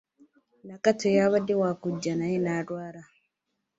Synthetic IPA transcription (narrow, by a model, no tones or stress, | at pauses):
nakatojaβadewaːkuɟːanajenadwaːɾa